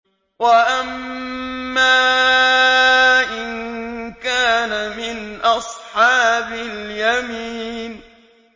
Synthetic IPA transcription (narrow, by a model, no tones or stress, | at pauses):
waʔamː | aː | ʔɪnkaːnamɪnʔɑsˤħɑːbɪljamiːn